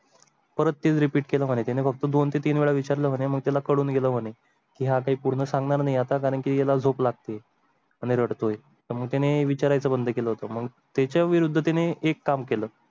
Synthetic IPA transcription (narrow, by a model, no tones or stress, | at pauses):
pəɾət̪ːet͡sɾipiːʈkeləmənet̪janefək̚t̪əd̪ont̪et̪iːnʋeɭaʋit͡ɕaɾləɦoñeməɡ̚t̪jalakəɽuːnɡeləːɦone | kiːɦakaɦiːpuɽ̤nəːsaŋɡɳaɾnaɦiat̪akaɾəɳkijalad͡zʱoplaɡ̚t̪e | aɽ̃iɾəɽt̪oe | t̪əɾməɡ̚t̪janeʋit͡ɕaɾajt͡səbənd̪ʱəkeləɦot̪əməɡ | t̪jat͡ɕaʋiɾud̪ʱːət̪̬aneekːamkeləː